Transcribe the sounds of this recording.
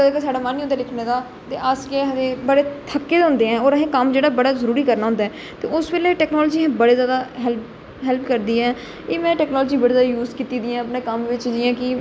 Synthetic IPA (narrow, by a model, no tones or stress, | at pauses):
d̪eːkasaːɖaːmaːnĩɦʊ̃nd̪aːlɪkʰneːd̪aː | t̪eːaskeɦəʋẽːbəɽeːt̪ʰəkːeːd̪ɦʊ̃nd̪eːɦɛ̃ːɔːɾəɦẽːkəmd͡ʒeːɽaːbəɽaːzəɾuːɾiːkəɾnaːɦʊ̃nd̪aɛː | t̪eːʊsʋeːleːʈɛːknɔːlːd͡ʒiːɛ̃ːbəɽeːzjaːd̪aːɦɛlp | ɦɛlpkəɾd̪iːɛ̃ː | eːmɛ̃ːʈɛːknɔːlːd͡ʒiːbəɽeːzjaːd̪ːjuːzkiːt̪iːd̪iãːəpneːkəmʋɪt͡ʃd͡ʒiːãːkɪ